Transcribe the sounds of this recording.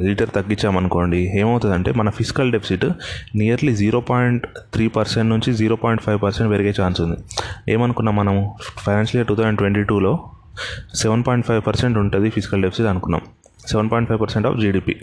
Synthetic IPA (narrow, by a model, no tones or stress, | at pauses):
liːʈɐɾt̪ɐɡːiɲt͡ʃːaːmɐnuko̞ːɳɖieːmɐwut̪und̪ɐɳʈe̞ːmɐnɐpʰisi̥kɐlɖepʰi̥siʈnijɐɾlid͡ʒiːɾo̞ːpaːjiɳʈt̪ʰɾiːpɐɾseɳʈnuɲt͡ʃid͡ʒiːɾo̞ːpoːjiɳʈpʰɐjʋpɐɾseɳʈʋeɾɐɡeːt͡ʃaːnsund̪ie̞̰ːmɐnukunːaːmːɐnɐmupʰɐjnaːnsliːɐʈːuːt̪ʰoːeɳʈʋe̞ɳʈiːʈuːlo̞ː | seʋɐnpoːjiɳʈ̚pʰɐjʋpɐɾse̞ɳʈuɳʈund̪ipʰisi̥kɐlɖepʰi̥siʈɐnukunːa̰ːm | seɛʋɐnpɔːjɳʈ̚pʰɐjpɐɾseɳʈɐ̰ːfd͡ʒiːɖiːpḭː